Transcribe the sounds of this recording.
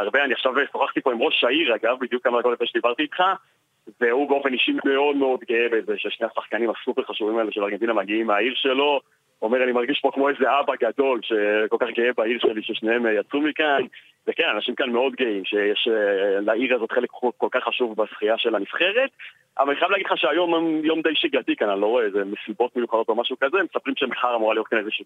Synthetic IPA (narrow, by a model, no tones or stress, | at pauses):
aʁbeaniaχʃavesoχaχt̪ipo̞imʁo̞ʃaiʁaɡavbid̪jukːamaʁekolefeʃed̪ibaʁt̪iːt̪χa | ve̞ubeo̞feniʃime̞o̞dmeo̞d̪ɡeebezeʃeʃneasaχkanimasupe̞ʁχaʃuvimaeleʃelaʁɡe̞nt̪inamaɡiimeaiʁʃe̞lo̞ | omeʁanimaʁɡiʃpo̞kmo̞eze̞abaɡad̪o̞lʃeko̞lkaχɡeebaiʁʃe̞liʃeʃnehemjat͡sumikan | vekenanaʃimkanme̞o̞d̪ɡeimʃejɛʃlaiʁazo̞t̪χelekutkolkaχːaʃuvbasχiaʃe̞lanifχe̞ʁet̪ | ʔavalaniχajaleaːɡidlχaʃeajo̞mmjo̞md̪ejʃiɡat̪ikananlo̞ʁoeezemesibo̞t̪mejuχado̞t̪omaʃukazemesapʁimʃemaχaʁamuʁalijot̚kanezeʃu